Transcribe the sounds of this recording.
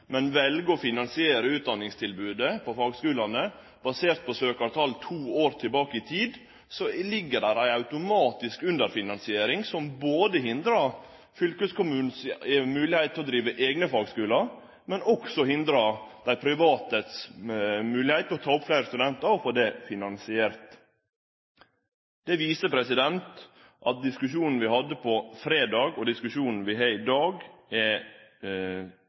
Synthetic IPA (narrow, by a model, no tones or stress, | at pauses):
mɛnʋɛlɡəɔfɪnɑnsɪeːɾəʉːt̪̚d̪ɑnːɪŋst̪ʰɪlbʉːd̪əpʰɔfɑːɡskʉːlɑnə | b̥ɑseːɾt̪̚pʰɔsøːkɑʋt̪ʰɑːlt̪ʰuːoːɾt̪ʰɪlbɑːkəɪt̪ʰiːd̪ | sɔlɪɡːəɖæɾæɪɑʉt̪ʊmɑːt̪ɪskʉnd̪əɾfɪnɑnsɪeːɾɪŋsɔmboːd̪əɦɪnd̪ɾɑ | fʏlkəskʰʊmʉːn̩sɛmʉːlɪhæɪt̪ʰːɪlɔd̪ɾiːʋəʔeːɡnəfɑːɡskʉːləɾ | mɛnɔksɔhɪnd̪ɾɑd̪̥æɪpʰɾɪʋɑːt̪ət̪s | mʉːlɪhæɪt̪ʰːlɔt̪ʰɑːʊpflæɪɾəst̪ʉd̪ɛnt̪əɾɔfoːd̪ɛfɪnɑnsɪæːɾt̪ | d̪̥ɛʋiːsəpʰɾɛsɪd̪ɛnt̪ | ʔɑt̪̚d̪ɪskʉʃuːnn̩ʋɪhɑd̪ːəpʰɔfɾeːd̪ɑːɡɔd̪ɪskʉʂuːnn̩ʋɪɦæɪd̪ɑːɡɛ